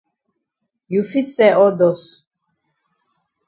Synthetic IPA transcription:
ju˨fi˦t̪sɛ˦ʔɔ˦d̪ɔ˨s

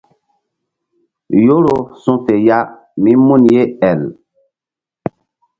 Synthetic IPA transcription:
jo˦ɾo˨sũ˦te˨ja˦ | mi˦mu˦˨nje˦ɛ˨l

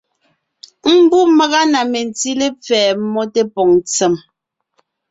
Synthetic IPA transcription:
m̩˦bu˦mə˦ɣa˦na˨me˨n˨ti˦le˦p͡fɛː˨˦mɔ˦te˦pɔ˨ŋnt͡sɛ˨m

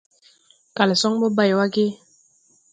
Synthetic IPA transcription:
ka˨le˨sɔ˦ŋbɔ˦ba˦˨jwa˦ɡe˦

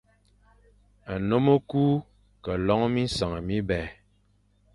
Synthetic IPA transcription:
a˨no˦mo˦kuː˦ | kə˨lɔ˦ŋ˦mi˦sa˨ŋə˨mi˦bɛː˨

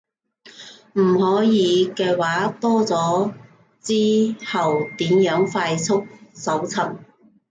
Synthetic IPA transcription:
m̩˨˩hɔː˨˥jiː˨˧kɛː˧waː˨˥t̪ɔː˥t͡sɔː˨˥ | t͡siː˥hɐ˨wt̪iː˨˥mjœː˨˥ŋfaː˧jt͡sʰʊ˥k̚sɐ˨˥wt͡sʰɐ˨˩m

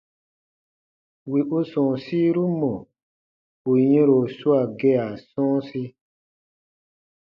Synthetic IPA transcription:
wi˨ʔu˦sɔ̃˨si˦ɾu˦mɔ̃˨ | o˨jɛ̃˦ɾo˨su˦a˨ɡɛ˦a˨sɔ̃ː˦si˦

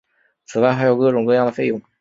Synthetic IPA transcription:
t͡sʰɹ̩˨˩a˥ɪxa˥jo˧ʊkɤ˥˧ʈ͡ʂʊ˧˩ŋkɤ˥˧jɑ˥˧d̪ə˩fe˥˩jʊ˧˥ŋ

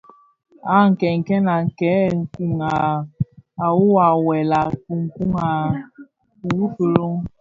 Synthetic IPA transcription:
a˦˨ŋ̩˨kɛ˨ŋ̩˨ke˦na˨ŋ̩˨kɛ˨˦˨ŋ̩˨ku˦ŋa˨ | a˨wu˦wa˨wɛ˨la˨ku˨ŋ̩˨ku˦ŋa˨ | u˨wu˦fi˨ɾo˦

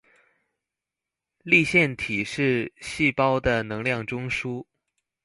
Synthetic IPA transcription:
li˥˧ɕjɛ˥˩nt̪ʰi˨˩ʂɻ̩˥˧ɕi˥˩pɑ˥ʊd̪ə˨nɤ˧˥ŋljɑ˥˩ŋʈ͡ʂʊ˥ŋʂu˥

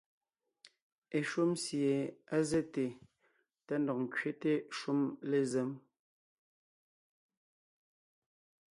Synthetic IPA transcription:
e˨ʃu˦msje˨a˦ze˦te˨ | ta˦ndɔ˨k̚ŋ̩˨kɥe˦te˦ʃu˦mle˨zɛ˦m

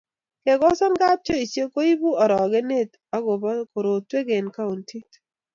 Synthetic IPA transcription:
ke˨ɡɔ˦sɔ˦nɡa˦p̚t͡ʃo˦i˨t͡ʃje˦ko˦i˦bu˦ɔ˨ɾɔ˨ɡe˦ne˦˨t̪ | a˦ɡo˨bɔ˦ko˨ɾo˨twe˦ɡe˨nka˦u˨nti˦t

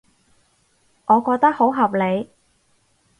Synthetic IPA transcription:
ʔɔː˨˧kɔː˧k̚t̪ɐ˥k̚ho˨˥wɦɐ˨p̚le˨˧j

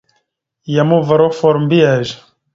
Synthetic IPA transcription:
ja˨mu˦va˨ɾɔ˦fɔ˨ɾmbi˦a˨ʒ

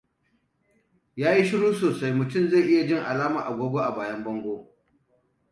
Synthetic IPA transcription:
jaː˦ji˦ʃɪ˦ɽuː˦soː˨sa˦jmʊ˨tʊ˦˨mza˦˨ʔɪ˦ja˨d͡ʒɪ˦ŋʔa˨laː˦ma̰ː˨ʔa˨ɡʷoː˦ɡʷo˦ʔa˨baː˨jɐ˦mbɐ˦ŋɡʷoː˦

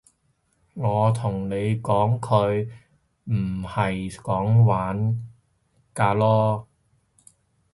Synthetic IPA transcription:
ŋɔː˨˧t̪ʰʊ˨˩ŋne˨˧jkɔː˨˥ŋkʰɵ˨˧ɥ | m̩˨˩hɐ˨jkɔː˨˥ŋwaː˨˥n | kaː˧lɔː˥

